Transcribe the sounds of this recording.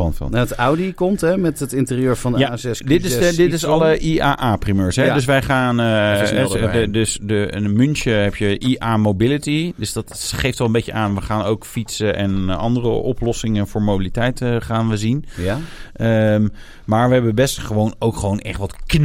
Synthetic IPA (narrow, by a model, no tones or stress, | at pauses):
ɔ̰nfɔ̰lətawdikɔmtɦɛmɛtətɪntɪriøːɹvɑndjasɛsdɪtɪsdɪtɪsɑləʔiaːʔaːprimøːɹsɦɛdøs̬ʋɛjχaːnəɛədøsdəmʏnʃəɦɛpjəʔiʔaːmowbɪlitidøsdɑtχejftʋɛlˠəmbejcəʔaːnʋəχaːnowkfitsəʔɛnɑ̰ndərəʔɔplɔsɪŋənvʊːɹmobilitɛjtəχaːnʋəzin | əm | maːɹʋəɦɛbəbɛstχəʋownowkχəʋownʔɛ̰χtʋɑtkn